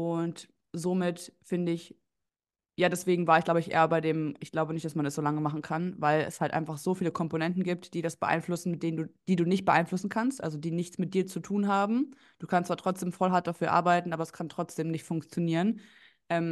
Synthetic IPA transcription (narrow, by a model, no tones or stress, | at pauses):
ʔʊnt | zoːmɪtfɪndəɪç | jaːdɛsv̥eːɡŋ̩vaːɐɪçɡ̥laʊbəɪçʔḛːɐbaɪdeːmɪçɡ̥laʊbənɪçtd̥asmanɛsz̥oːlaŋəmaχn̩kʰanvaɪlɛ̰shaltʔa̰ɪnfaχz̥oːfiːləkʰɔmponɛntn̩ɡiːp̚td̥iːɾasb̥əʔa̰ɪnflʊsn̩mɪtd̥eːnənduːd̥iːduːnɪçt̚b̥əʔaɪnflʊsn̩kʰanstʔa̰lzodiːnɪçt͡smɪt̚d̥iːɐt͡sutʰuːnɦaːbm̩ | d̥uːkʰanstt͡sv̥aːɐtʁ̥ɔt͡sd̥eːmfɔlɦaɐt̚d̥afyːɐʔa̰ːɐbaɪtn̩ʔaːbɐɛskʰantʁ̥ɔt͡sd̥eːmnɪçtfʊŋkt͡sjoniːʁən | ʔɛːm